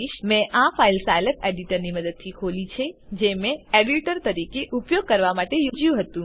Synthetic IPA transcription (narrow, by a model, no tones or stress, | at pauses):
iʃmɛ̃ʔãfailsajləpeɖiʈəɾniməd̪əd̪̚t̪ʰikʰolit͡ʃʰed͡ʒemẽeɖiʈəɾt̪əɾikeʔupjoɡ̚kəɾʋamaʈejud͡ʒjũɦət̪ũ